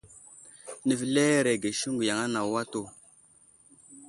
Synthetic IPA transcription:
nə˨vle˦ɾe˨ɡe˨ʃu˦ŋɡu˨ja˨ŋa˦na˨wa˦to˨

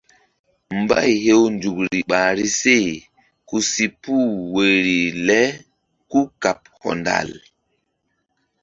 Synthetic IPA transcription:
mba̰˦jhe˦wnd͡ʒu˨k̚ɾi˨ɓa˨ɾi˦se˦˨ | ku˦si˨pu˦˨we˨ɾi˨lɛ˦ | ku˦ka˨p̚hɔ̰˨nda̰˨l

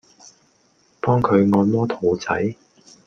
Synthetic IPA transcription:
pɔː˥ŋkʰɵ˨˧ɥŋɔː˨˧nmɔː˥t̪ʰo˨˧wt͡sɐ̰˨˥j

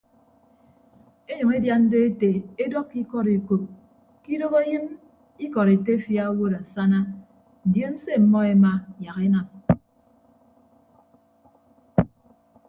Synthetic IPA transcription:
e˦ɲɨ˨ŋe˦dja˦n̩˦de˦e˦te˨e˦dɔ˦kːi˦kɔ˦ɾe˨ko˨t̚ | ki˦do˦ɣe˦jɨ˦m | i˦kɔ˨ɾe˨te˦fja˦wo˦ɾa˨sa˦na˦ | n̩˨dje˦n̩˦se˦m̩˨mɔ˦e˦ma˦ja˨ɣe˦na˨m

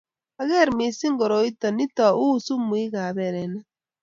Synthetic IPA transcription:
a˨ɣɛ˦˨ɾmi˨si˦ŋɡɔ˨ɾo˨i˦tɔ˨ni˦ta˨u˦˨su˦mu˨˦i˦ɣa˨βɛ˨ɾɛ˨na˦

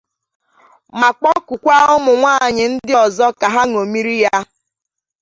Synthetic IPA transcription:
ma˨k͡pɔ˦ku˨kʷa˦ɔ˦mʊ˨ŋʷaː˦˨ɲɪ˨n̩˦dɪ˦ɔ˨zɔ˦ka˨ɦa˦ŋo˨mi˦ɾi˦ja˦

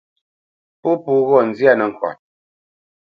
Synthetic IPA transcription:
po˦pu˦ɣɔ˦˨n̩˨zi˦a˦˨nə˨ŋ̩˨kwa̰˨t̚

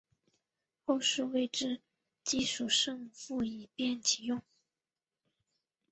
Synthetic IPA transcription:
xo˥˧ʊʂɻu˥˧we˥˧ɪʈ͡ʂɻ̩˥˩ | t͡ɕi˥˩ʂu˨˩ʂɤ˥˧ŋfu˥˩i˨˩pjɛ˥˩nt͡ɕʰi˨˩jʊ˥˩ŋ

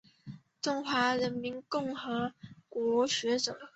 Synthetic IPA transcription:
ʈ͡ʂʊ˥ŋxwa˧˥ɻə˧˥nmi˧˥nkʊ˥˩ŋxɤ˧˥kwɔ˧˥ɕɥɛ˧˥ʈ͡ʂɤ˨˩˦

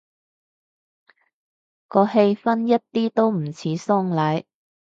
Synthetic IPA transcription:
kɔː˨˧he˧jfɐ˥njɐ˥t̚t̪iː˥t̪o˥wm̩˨˩t͡sʰiː˨˥sɔː˥ŋlɐ˨˥j

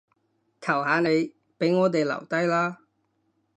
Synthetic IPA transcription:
k̪ʰɐ˨˩whaː˨˧ne˨˧j | pe˨˥jŋɔː˨˧t̪e˨jlɐ̰˨˩wt̪ɐ˥jlaː˥

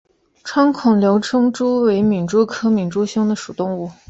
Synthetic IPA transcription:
ʈ͡ʂʰwa˥ŋkʰʊ˨˩ŋljo˧˥ʊʈ͡ʂʰɤ˥ŋʈ͡ʂu˥we˧˥ɪmi˨˩nʈ͡ʂu˥˩kʰɤ˥mi˨˩nʈ͡ʂu˥ɕi˥ŋd̪ə˨ʂu˨˩t̪ʊ˥˧ŋu˥˩

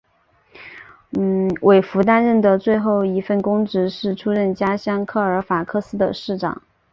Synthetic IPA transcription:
wʔe˨˩ɪfu˧˥t̪a˥nɻə˥˩nd̪ə˩t͡swe˥˧ɪxo˥˩ʊi˧˥fə˥˩nkʊ˥ŋʈ͡ʂɻ̩˧˥ʂɻ̩˥˩ʈ͡ʂʰu˥ɻə˥˩nt͡ɕja˥ɕjɑ˥˩ŋkʰɤ˥˩ə˞˧˥fa˨˩kʰɤ˥˧sɹ̩˥d̪ə˧˨ʂɻ̩˥˩ʈ͡ʂɑ̰˨˩˦ŋ

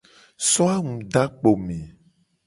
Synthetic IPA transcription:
sɔ˦a˦ŋũ˨ɖa˦k͡po˨mẽ˨

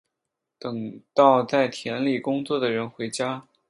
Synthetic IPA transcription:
t̪ɤ˨˩ŋt̪ɑ˥˧ʊt͡sa˥˩ɪt̪ʰjɛ˧˥nli˨˩kʊ˥ŋt͡swɔ˥˩d̪ə˩ɻə˧˥nxwe˧˥ɪt͡ɕja˥

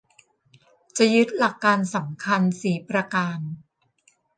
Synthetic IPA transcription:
t͡ɕa˨˩jɯ˦˥t̪̚la˨˩kːaː˧nsa˩˦mkʰa˧nsiː˩˦pɾa˧kaː˧n

